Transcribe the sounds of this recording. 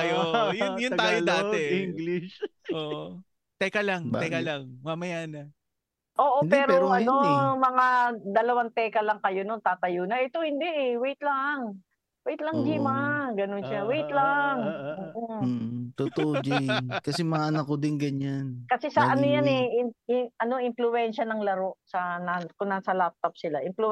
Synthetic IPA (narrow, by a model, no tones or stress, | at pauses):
ɐjojnjʊnaaːjold̪aːɛiŋɡlɪʃoːʔ | t̪ɛkɐlaŋb̪ɛkalaŋmamɐjaːnɐ | ʔoːʔond̪pɛːɾoɾoɐno̞mɐŋad̪ɐlɐwant̪ɛːkɐlɐŋkɐjonont̪aːt̪ɐjonɐʔɛt̪o̞hɪnd̪ɛʔɛwɛjt̪laŋ | wɛjt̪lɐŋd͡ʒimaɡɐnonʃawɛjt̪laŋʔoːʔot̪ʊt̪oʔod͡ʒɪnkɐsɛmɐŋaʔɐnɐkːod̪ɪnɡɐɲankɐsɛsɐʔɐnojanɛɪɪʔɐno̞ʔɪnflʊɛnʃɐnɐŋlɐɾo̞ʔsɐnakʊnasɐlap̚t̪op̚sɪlaʔɪnplʊ